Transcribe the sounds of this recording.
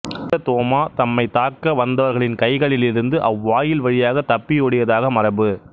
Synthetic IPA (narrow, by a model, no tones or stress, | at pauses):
ɐt̪oːmaːt̪ɐmːɐɪt̪aːkːɐʋɐnd̪ɐʋɐɾɣɐɭɪnkɐɪɣɐɭɪlɪɾɯnd̪ɯʔɐʋːaːjɪlʋɐɻɪjaːɣɐt̪ɐpːɪjɔːɽɪjɐðaːɣɐmɐrɐbɯ